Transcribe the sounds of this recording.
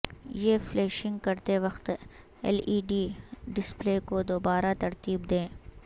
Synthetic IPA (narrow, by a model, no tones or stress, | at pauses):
jeːfleːʃɪ̃ŋɡkɐɾt̪eʋɐxt̪ | ɛ̰liːɖiɖɪspleːkod̪oːbaːɾat̪ɐɾt̪iːbd̪ẽː